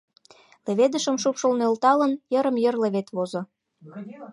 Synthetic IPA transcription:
lĕβed̪ə̆ʃə̆mʃupʃulnølt̪ɑlə̆njə̆ɾə̆mjə̆rlĕβet̪βozo

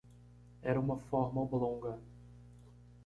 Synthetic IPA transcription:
ɛɾɐũmɐfɔɾmɐoblõŋɡɐ

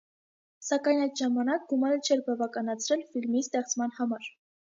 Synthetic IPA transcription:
sɑkɑjnɑjd̪ʒɑmɑnɑk̚ɡumɑɾət͡ʃʰɛɾbɑvɑkɑnɑt͡sʰɾɛlfilmist̪ɛχt͡smɑnhɑmɑɾ

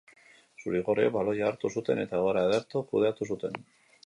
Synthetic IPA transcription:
suɾiɣo̞reβalo̞jaːɾt̪usut̪e̞ne̞t̪aɣoɾaːðeɾt̪okuð̞eat̪usut̪e̞n

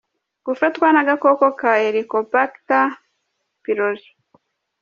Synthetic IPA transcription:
ɡufetwanaɡakokokaeɾikopakta | piɾozi̥

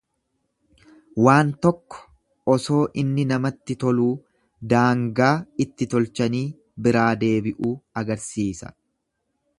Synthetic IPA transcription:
waːnt̪ɔkːɔ̥ | ɔso̞ːʔɪnːɪnɐmɐt̪ːɪt̪ɔluː | d̪aːŋɡaːɪt̪ːɪt̪ɔlt͡ʃɐniː | bɪɾaːd̪e̞ːbɪʔuːɐɡɐɾsiːsɐ̥̰

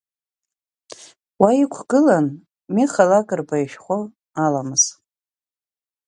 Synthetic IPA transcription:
waikʷʰɡ̥ɨlan | miχalakʼɨrbajʃᶣχʷo | alamɨz̥

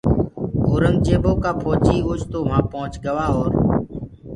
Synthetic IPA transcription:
oːɾəŋɡ̚t͡ʃeːboːkaːpʰoːt͡ʃiːʊːt͡ʃt̪oːmãːpõːʊt͡ʃɡəʋaːoːɾ

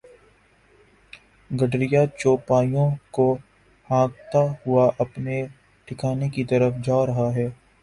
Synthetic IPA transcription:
ɡɐɖɾɪjat͡ʃoːpaːjõko | hãːɡt̪aɦʊaʔɐpne | ʈʰɪkʰaːnekit̪ɐɾəfd͡ʒaːɾɐɦaɦɛː

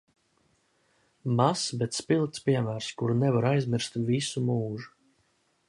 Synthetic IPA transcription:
masbɛt̪spilˠt̪spiɛmæːɾskuɾnɛvaɾajzmiɾst̪visumuːʒu

